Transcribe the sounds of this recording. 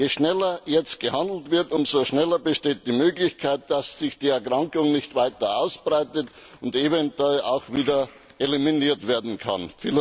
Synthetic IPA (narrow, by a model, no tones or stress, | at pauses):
jeːʃnɛlɐjɛt͡st̚ɡ̥əhandl̩tv̥ɪɐtʊmzoʃnɛlɐbəʃteːt̚d̥iːmøːɡlɪçkʰaɪt̚d̥asːɪçd̥iːɛɐkʁ̥aŋkʊŋnɪçtv̥aɪtɐʔaʊsb̥ʁaɪtət | ʊntevɛntɛla̰ʊxv̥iːdɐ | ʔeliminiːɐtv̥eːɐdn̩kʰa̰nfiːl